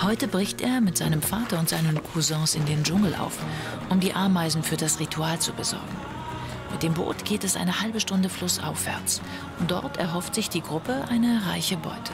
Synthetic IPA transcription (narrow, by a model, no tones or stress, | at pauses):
hɔʏtəbʁɪçtʔeːɐmɪtz̥aɪnəmfaːtɐʊntz̥aɪnənkʰuzɛ̃ːsɪndeːnd͡ʒʊŋl̩ʔa̰ʊf | ʔʊmdiːʔaɐmaɪzn̩fyːɐdasʁitʰuaːlt͡subəzɔ̰ɐɡŋ̩ | mɪt̚d̥eːmbo̰ːtɡ̥eːtɛsʔa̰ɪnəhalbəʃtʊndəflʊsʔa̰ʊfv̥ɛ̰ɐt͡s | ʊntd̥ɔ̰ɐtʰɛ̰ɐɦɔftz̥ɪçd̥iːɡʁʊpəʔaɪnəʁaɪçəbɔ̰ʏtə̥